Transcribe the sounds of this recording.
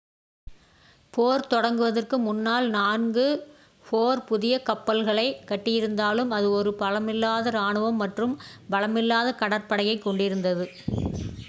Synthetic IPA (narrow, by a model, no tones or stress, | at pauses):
poːɾt̪ɔɽɐŋɡɯʋɐðɐrkɯmʊnːaːlnaːnɡɯ | poːɾpʊðɪjɐkɐpːɐlɣɐɭɐɪkɐʈːɪjɪɾɯnd̪aːlɯmɐðɯɔɾɯpɐɭɐmɪlːaːðɐɾaːɳɯʋɐmːɐʈrɯmbɐlɐmɪlːaːðɐkɐɽɐɾpɐɽɐjɐɪkːɔɳɖɪɾɯnd̪ɐðɯ